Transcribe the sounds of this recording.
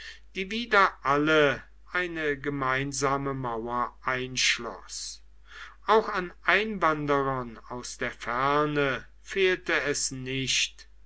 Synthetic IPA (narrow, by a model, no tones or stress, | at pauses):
d̥iːviːdɐʔalə | ʔaɪnəɡəmaɪnzaːməmaʊɐʔaɪnʃlɔ̰s | ʔaʊxanʔaɪnvandəʁɐnaʊsd̥eːɐfɛɐnə | feːltəɛsnɪɕt